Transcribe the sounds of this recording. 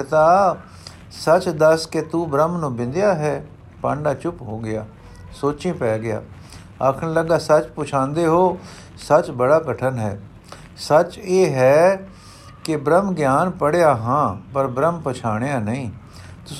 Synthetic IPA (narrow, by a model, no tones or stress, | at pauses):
t̪aː | sət͡ʃd̪əsket̪uːbɾəmnũːbɪ̃nd̪jaːɦɛː | pãːɳɖaːt͡ʃʊpɦoːɡɪjaː | soːt͡ʃĩːpɛːɡɪja̰ː | aːkʰənləɡaːsət͡ʃpʊt͡ʃʰãːnd̪eːɦoː | sət͡ʃbəɽaːkəʈʰənɦɛː | sət͡ʃeːɦɛː | kɪbɾəmɡɪjaːnpəɽejaːɦãːpəɾbɾəmpət͡ʃʰaːɽ̃ejaːnəĩː | t̪ʊ